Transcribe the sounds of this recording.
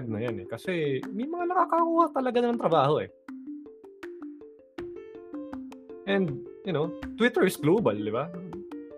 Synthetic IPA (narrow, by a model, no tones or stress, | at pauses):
d̪̚nɐjanɛ̰kɐsɛmɐjmɐŋanɐkaːkɐkuːhat̪ɐlɐɡanɐmɐŋt̪ɾɐbaːho̞ʔɛ̰ | ʔɛnd̪̚jʊno̞t̪wɪt̪ɛɹɪsɡloːbɐld̪ɪba